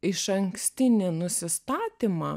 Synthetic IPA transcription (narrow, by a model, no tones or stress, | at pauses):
ɪʃɐŋksʲt̪ʲɪnʲɪnʊsʲɪst̪ɑːt̪ʲimɑ̰ː